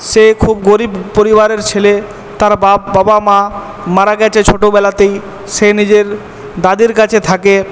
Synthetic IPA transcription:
ʃekʰubɡoɾibpoɾibaɾeɾt͡ɕʰele | t̪aɾbababamã | maɾaɡɛt͡ɕʰet͡ɕʰoʈobɛlat̪ej | ʃenid͡ʑeɾ | d̪ad̪iɾkat͡ɕʰet̪ʰake

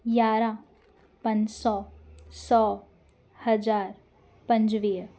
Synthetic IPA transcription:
jaːɾãː | pə̃nd͡ʒsɔːsɔː | həd͡ʒaːɾ | pə̃ɲd͡ʒʋiː

